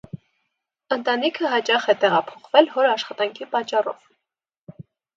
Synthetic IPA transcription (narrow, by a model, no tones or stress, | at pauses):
ənt̪ɑnikʰəɦɑt͡ʃɑχɛt̪ɛʁɑpʰɔ̥χvɛlhɔɾɑʃχɑt̪ɑŋkʰipɑt͡ʃːɑrɔ̰v̥